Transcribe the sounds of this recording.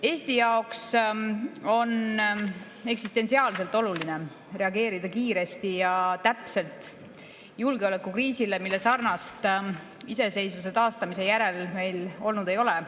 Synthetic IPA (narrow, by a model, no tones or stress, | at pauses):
e̞ːst̪ijɑoks | o̞n | e̞ksist̪e̞nsiɑːlse̞lt̪ːˑo̞luline̞ | re̞ɑɡe̞ːɾid̪̥ɑkiːɾe̞st̪ijɑt̪æpse̞lt̪ˑ | julɡeo̞le̞kːˑukriːsile̞milːe̞sɑrnɑst̪ | ise̞se̞jsvus̬e̞t̪ɑːst̪ɑmise̞jæɾe̞lme̞jlo̞lnud̪e̞jo̞le